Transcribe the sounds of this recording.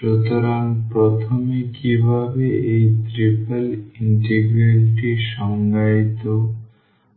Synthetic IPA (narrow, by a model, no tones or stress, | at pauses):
pɾot̪aɾanpɾot̪ʰomekibʱabeejt̪ɾipaliɳʈeɡɾelʈiʃɔŋɡait̪o